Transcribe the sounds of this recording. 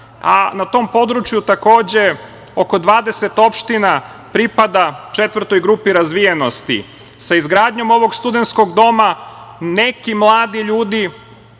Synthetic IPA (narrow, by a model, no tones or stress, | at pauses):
a̰nat̪o̞ːmpo̞d̪ɾut͡ʃjut̪ako̞ːd͡ʑe̞ | oko̞d̪ʋaːd̪e̞set̪o̞pʃt̪ina | pɾipad̪at͡ʃe̞t̪ʋr̩t̪o̞jɡɾupiɾazʋijeno̞st̪ḭ | saizɡɾaːd̪ɲo̞mo̞ʋo̞ɡst̪ud̪ent̪sko̞ɡd̪o̞manekimlˠaːd̪iʎuːd̪i